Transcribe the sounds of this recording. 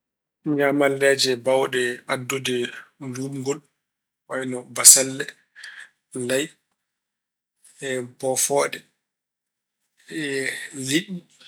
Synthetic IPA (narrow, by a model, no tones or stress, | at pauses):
ŋɡamalːɛd͡ʒɛbawɗɛʔadːɔdɛlumɡɔl | wajnɔbasalːɛ | laj | ɛbɔfɔːɗɛ | ɛliɗi